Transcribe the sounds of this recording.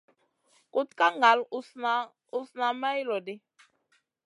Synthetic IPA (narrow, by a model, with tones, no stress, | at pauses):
ku˦tka˦ŋa˨lu˦sna˨˦ | u˦sna˨ma˦i˦lɔ˨de˦